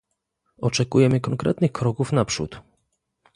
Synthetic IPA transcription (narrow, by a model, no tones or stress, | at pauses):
ɔt͡ʂɛkujɛmɘkɔŋkɾɛ̰t̪nɘxkɾɔkufnapʂṵt̪